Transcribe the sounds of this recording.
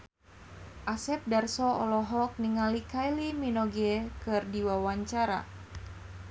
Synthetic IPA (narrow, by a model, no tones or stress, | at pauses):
ʔasɛp̚darsɔɔlɔɦɔk̚niŋalikajliminɔɡɛkɨrdiwawaɲt͡ʃaɾa̰